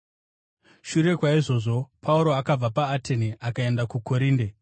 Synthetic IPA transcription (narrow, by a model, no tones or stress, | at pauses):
ʃuɾe̞kwaiʐo̞ːʐo̞pʰauɾo̞akab͡vapaːte̞niʔakae̞ndakuko̞ɾiːnde